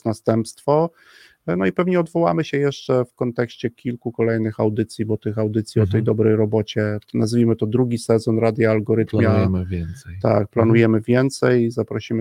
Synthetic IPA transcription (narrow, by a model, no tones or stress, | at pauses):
nast̪ɛmpst̪fɔ | nɔipɛvɲɛɔd̪vɔwa̰mɘɕɛjɛʂt͡ʂɛfkɔnt̪ɛkɕt͡ɕɛkʲilkukɔlɛjnɘxawd̪ɘt̪sʲjibɔt̪ɘxawd̪ɘt̪sʲiɔt̪ɛjd̪ɔbɾɛjɾɔbɔt͡ɕɛnazvʲimɘt̪ɔd̪ɾuɡʲisɛzɔnɾad̪ʲjaːlɡɔɾɘt̪mjaɛmɘvʲjɛnsɛjt̪a̰k̚planujɛmɘvʲjɛnt̪sɛjzapɾɔɕimɘ